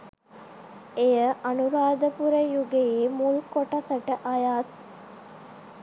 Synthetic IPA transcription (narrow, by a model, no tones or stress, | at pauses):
ejəʔɐnuɾaːd̪əpuɾəjuɡeiːmulkoʈɐsɐʈəʔɐjaːt̪